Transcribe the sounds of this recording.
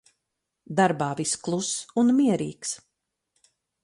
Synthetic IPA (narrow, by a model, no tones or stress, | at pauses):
d̪aɾbaːvisklˠusunmiɛɾḭːks